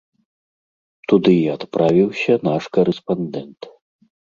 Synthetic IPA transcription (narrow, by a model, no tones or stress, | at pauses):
t̪ud̪ɨat̪pɾavʲiwsʲɐnaʂkɐɾɛspand̪ɛnt̪